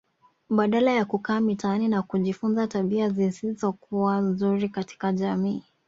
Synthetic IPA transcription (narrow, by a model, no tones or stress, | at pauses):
ɓaɗalajakukaːmitaaninakuʄifunzataɓiazisizɔkuwanzuɾikati̥kaʄamiː